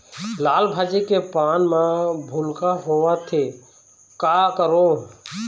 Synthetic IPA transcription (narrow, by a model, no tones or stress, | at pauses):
laːlbʱaːd͡ʒekepaːnmãbʱʊlkaɦoːʋaːt̪ʰeː | kaːkəɾoː